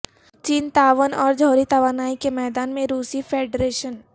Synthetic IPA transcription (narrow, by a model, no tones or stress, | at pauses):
t͡ʃiːnt̪aːʋənɔːɾd͡ʒʱɔːɾit̪ɐʋaːnaːikemɛːd̪aːnmẽɾuːsifʰeːɖɾeːʃən